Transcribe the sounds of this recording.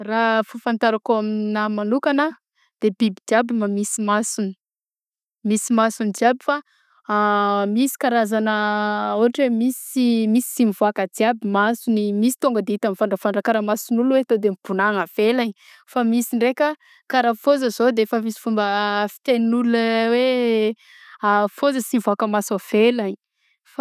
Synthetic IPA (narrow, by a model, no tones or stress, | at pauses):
rafufant̪aɾakoaminamanukana | d̪̥ebibid͡ʒiabimamisimasuni̥ | misimasunid͡ʒiabifa | misi̥kaɾazanəuɦaʈ͡ʂemisimisi̥simivoakad͡ziabimasunimisi̥t̪oŋɡəd̪eit̪amfaɳɖ͡ʐafaɳɖ͡ʐakaɾəmasunulwet̪od̪emipunaŋav̥elaɲi | famisiɳɖ͡ʐekʲə | kaɾafozəz̥od̪eefəmisi̥fumbəfi̥t̪eninuləwe | afozəsimvakəmasav̥elaɲ | f